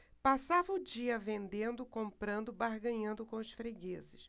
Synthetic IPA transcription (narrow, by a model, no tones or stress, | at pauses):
pasavɐʊd͡ʒiɐvẽnd̪ẽnd̪ʊkõmpɾɐ̃nd̪ʊbaɾɡɐ̃ɲɐ̃nd̪ʊkõʊsfɾeɡezɪs